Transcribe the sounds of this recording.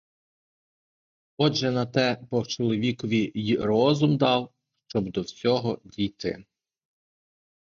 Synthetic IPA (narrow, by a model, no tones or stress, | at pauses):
ɔʒɛnɐt̪ɛpɔwt͡ʃɔlˠɔʋʲikɔʋʲijiɾɔzʊmd̪ɑw | ʃt͡ʃɔbd̪ɔwsʲɔɦɔdʲijt̪ɪ̰